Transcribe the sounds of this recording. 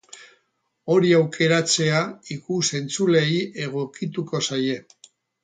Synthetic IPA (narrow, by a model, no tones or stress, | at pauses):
o̞ɾiawkʰe̞ɾat͡se̞aikuse̞nt͡sule̞je̞ɣ̞o̞kit̪uko̞saje̞